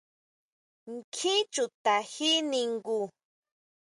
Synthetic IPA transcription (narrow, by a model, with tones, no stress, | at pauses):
ŋkʰi˦t͡ʃʊ˨t̪a˨hi˦nɪŋɡu˨